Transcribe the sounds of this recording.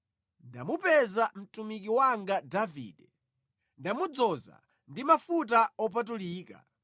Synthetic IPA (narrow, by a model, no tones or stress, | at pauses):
nda̰mupɛzam̩tumikiwaŋɡadavḭːdɛ | ndamud͡zɔza̰ | ndimafut̬aɔp̬at̬uliːka̰